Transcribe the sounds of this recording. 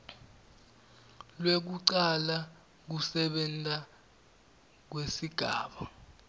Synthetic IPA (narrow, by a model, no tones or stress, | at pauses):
lwek̬uǀala | k̬usɛɓɛntʼa | k̬wesiɡ̥ʱaːɓa